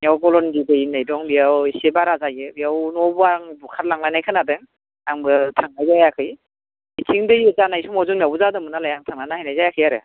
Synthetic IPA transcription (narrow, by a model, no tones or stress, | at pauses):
mijawɡɔlɔndidɯjinːajdɔŋbijawsebaɾazaɡebijawnɔbuaŋbukʰat̚laŋlajnajkʰɯnadɯŋ | aŋbɯtʰaŋnajzajakʰɯj | itʰiŋdɯjɯzanajsumɔzuŋmijawbuzadɯmɯnalajaŋtʰaŋnajnahajnajzajakʰɯjaɾɯ̰